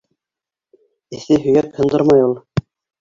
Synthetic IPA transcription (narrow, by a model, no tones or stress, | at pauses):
ɘ̆θɘɦɵ̆jækhɤ̆nd̪ɤɾmɑjulˠ